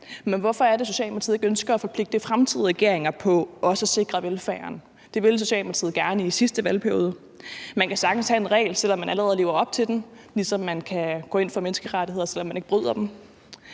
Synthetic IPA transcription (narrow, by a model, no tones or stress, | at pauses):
menʋɒfɒ̽æɐd̥e̝so̝ɕɛ̰ːlmɑt͡sʰið̩ˠeɡ̥ønsɡ̥ɐːfɒ̽pʰle̝ɡ̥̚d̥əfʁamt͡sʰið̞̰ˠʁɛɡ̥e̝ɐ̰eŋɐpʰɒ̽ʔɒ̽səse̝ɡ̥ʁɐʋelfæːɐn | d̥e̝ʋe̝ls̬o̝ɕɛ̰ːlmɑt͡sʰiːð̩ˠɡ̥æɐnəisisd̥əʋælpʰæɐjo̝ːð̞ˠə | mænkʰæsɑ̈ɡ̥n̩shæe̝nʁɛ̰ːɪlsel̰ɒ̽mːænʔæləʁɛðˠle̝ːʊɐɒ̽b̥̚t͡sʰe̝d̥en | lisɒ̽mːænkʰæɡ̥ɔ̰ːe̝n̰fɒ̽mensɡ̥əʁadihe̝ð̰ˠɐsel̰ɒmːæne̝ɡ̥əbʁyð̞̰ˠɐd̥em